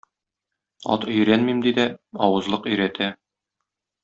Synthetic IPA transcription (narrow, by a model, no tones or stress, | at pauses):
ɒ̰t̪ɵ̆j̆ɾænmimd̪id̪æɒwɤ̆zlˠɤqɵ̆jɾæt̪ʰæ